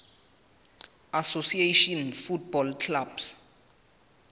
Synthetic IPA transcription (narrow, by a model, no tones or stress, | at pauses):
asosieʃɔnfut̚bɔlkʰlabs